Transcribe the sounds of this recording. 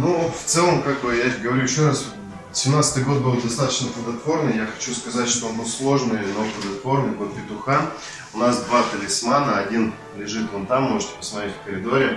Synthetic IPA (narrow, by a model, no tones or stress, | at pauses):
nuft̪sɛlˠəmkaɡ̚bɨjaɡəvɐɾʲujɪɕːo̞ɾas | sʲɪmnat̪sə̥t̪ɨjɡo̞t̪̚bɨlˠd̪ɐst̪at̪ə̥t͡ɕnəp̪lˠəd̪ɐt̪vo̞rnɨjjaxɐ̥t͡ɕuskɐzatʲʂt̪oonbɨlˠslˠo̞ʐnɨjnop̪lˠəd̪ɐt̪vo̞rnɨjbɨt̪pʲɪt̪ʊxan | ʊnasd̪vat̪əlʲɪsmanəɐdʲin | lʲɪʐɨt̪ont̪amːo̞ʐɨtʲɪ̥pəsmɐt̪ɾetʲfkəɾʲɪd̪o̞ɾʲɪ